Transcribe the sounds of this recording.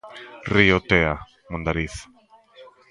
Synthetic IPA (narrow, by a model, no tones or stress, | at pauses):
riot̪ea | mõnd̪aɾiθ